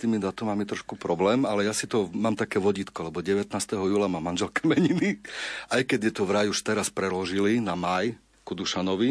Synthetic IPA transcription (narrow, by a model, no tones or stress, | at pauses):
st̪iːmid̪at̪ɔmaːmit̪ɾɔʃkupɾɔblɛːmalɛjasit̪ɔmaːmt̪akɛːʋɔɟiːt̪kɔlɛbɔɟɛʋɛt̪naːst̪ɛɦɔjuːlamaːmːanʒɛlkɛmɛɲiniʔajkɛɟjɛt̪ɔʋɾajuʃt̪ɛɾaspɾɛlɔʒilinamaj | kud̪uʃanɔʋi